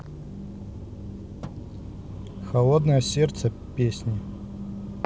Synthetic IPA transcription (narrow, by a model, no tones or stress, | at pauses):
xɐlˠod̪nəjəsʲert̪sə | pʲesʲnʲɪ